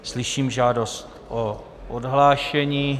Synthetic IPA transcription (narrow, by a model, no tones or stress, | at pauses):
slɪʃiːmʒaːdost̪ʔo | ʔodɦlaːʃɛɲiː